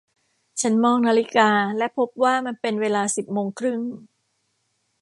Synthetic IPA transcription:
t͡ɕʰa˦˥nmɔː˧ŋnaː˧li˦˥kaː˧lɛ˦˥pʰo˦˥p̚waː˥˩ma˧npe˧nweː˧laː˧si˨˩p̚moː˧ŋkʰɾɯ˥˩ŋ

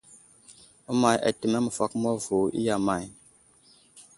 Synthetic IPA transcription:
u˦ma˨ja̰˨tə˨me˦mə˨fa˦km˦o˦vo˨ḭ˦ja˨ma˨j

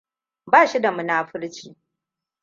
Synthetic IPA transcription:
baː˦˨ʃi˦da˨mu˦naː˦ɸɪ˦ɽt͡ʃiː˦˨

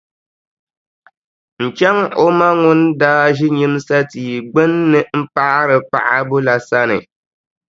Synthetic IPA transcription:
n̩˨t͡ʃɛ˦ŋo˦ma˦ŋʊ˦ndaː˦ʒi˦ɲi˦m˦sa˦tiː˨ɡ͡bɨ˦nːɨ˨m̩˦pa˦ɾɨ˨pa̰˨ʔa˦bʊ˦la˨sa˦nɨ˨

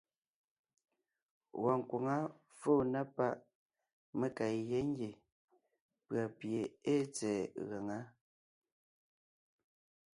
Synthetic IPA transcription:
wɔ˨ŋ̩˨kwo˨ŋa˦ | foː˦˨na˦pa˦ʔ | me˦ka˨jɛ˦ŋ˦ɡe˨ | pɰa˨pje˨e˦t͡sɛː˨ɣa˨ŋa˦

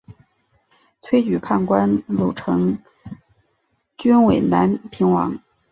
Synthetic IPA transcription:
t̪ʰwe˥ɪt͡ɕy˨˩pʰa˥˩nkwa˥nlu˨˩ʈ͡ʂʰɤ˧˥ŋ | t͡ɕy˥nwe˨˩ɪna˧˥npʰi˧˥ŋwɑ̰˧˥ŋ

